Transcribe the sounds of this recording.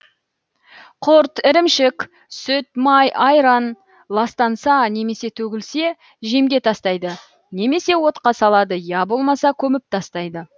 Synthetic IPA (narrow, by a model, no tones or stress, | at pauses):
qʰoɾt̪ɪɾɪmʃɪk | sʏt̪mɑjʔɑjɾɑn | lˠɑst̪ɑnsɑne̞me̞se̞t̪ʰɵɡʲɪlse̞ | ʒe̞mɡʲe̞t̪ʰɑst̪ɑjd̪ə | ne̞me̞se̞wo̞t̪qɑsɑlˠɑd̪əjɑbo̞lˠmɑsɑkʲʰɵmɪp̚t̪ʰɑst̪ɑjd̪ə